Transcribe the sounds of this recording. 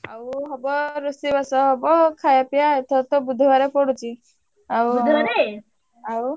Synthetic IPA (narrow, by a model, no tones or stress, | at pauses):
awɦɔbɔɾusibasɔɦɔbɔkʰajapijaet̪ʰɔt̪ɔbud̪ʱɔbaɾepɔɽut͡ʃʰi | awʱɾe | aw